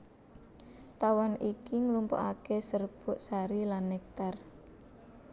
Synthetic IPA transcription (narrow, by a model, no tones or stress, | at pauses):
t̪awanʔikiŋlumpo̰ʔakesərb̥ʊʔsaɾilanːek̚t̪ar